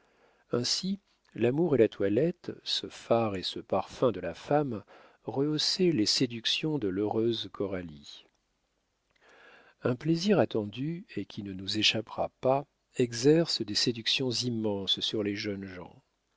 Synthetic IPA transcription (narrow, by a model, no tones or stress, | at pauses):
ɛ̃si | lamuʁelat̪walɛt̪səfaʁesəpaʁfɛ̃d̪əlafam | ʁəoselesed̪yksjɔ̃d̪əløʁøzkʰɔʁali | ɛ̃pleziʁat̪ɑ̃d̪yekʲinənuzeʃapʁa̰pa | ɛɡzɛʁsəd̪esed̪yksjɔ̃zimːɑ̃ssyʁleʒœnʒɑ̰̃